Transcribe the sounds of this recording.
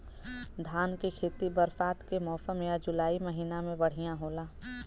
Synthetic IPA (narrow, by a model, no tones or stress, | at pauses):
d̪ʱaːnkekʰeːt̪ibəɾfaːt̪kemɔːfəmjad͡ʒʊlaːiməɦiːnamẽbɐɽ̤ijãɦoːlaː